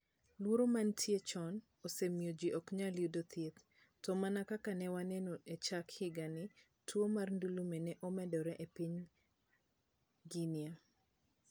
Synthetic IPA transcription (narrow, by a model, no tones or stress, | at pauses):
lwoɾomantʰjet͡ʃɔn | osemjod͡ʒiʔɔkɲaljudot̪ʰjet̪ː | ɔmanakakanɛwanɛnoet͡ʃakhɪɡanɪ | tʰwomarndulumenɛʔɔmɛdɔɾɛʔepiɲ | ɡinja